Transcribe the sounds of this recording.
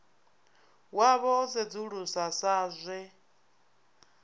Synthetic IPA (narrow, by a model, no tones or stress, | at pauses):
waβɔzɛd͡zuɺusasaːzʷɛ